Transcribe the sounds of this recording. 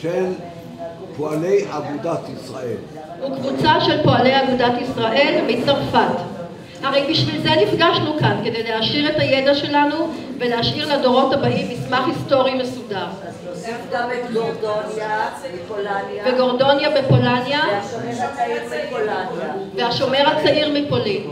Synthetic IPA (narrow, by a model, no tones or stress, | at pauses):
ʃel | poalejaɡud̪at̪isʁa̰ʔel | hukvut͡saʃe̞lpo̞ale̞jaɡudatisʁaʔe̞lmit͡saʁfat | haʁejbiʃvilzenifɡaʃnukanke̞dejleɦaʃiʁe̞tajedaʃe̞lanuveleaʃiʁlado̞ʁo̞thabaʔimismaχhisto̞ʁime̞sudaʁ | d | lveɡo̞ʁdo̞njabepo̞lanjaeiipolnveaʃo̞me̞ʁat͡saʔiʁmipo̞lin